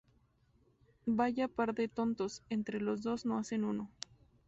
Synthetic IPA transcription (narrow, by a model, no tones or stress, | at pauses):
baʝapaɾðet̪o̞nt̪o̞se̞nt̪ɾe̞lo̞zðo̞zno̞ase̞nuno̞